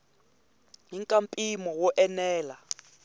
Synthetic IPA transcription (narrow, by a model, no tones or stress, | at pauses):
iŋkʼampʼimɔwɔʔɛnɛːla